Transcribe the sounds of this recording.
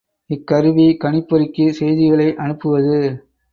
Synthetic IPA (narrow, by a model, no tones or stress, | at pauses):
ɪkːɐɾɯʋikɐɳɪpːɐɾɪkːɯsɛjðɪɣɐɭɐɪʔɐnɯpːɯʋɐðɯ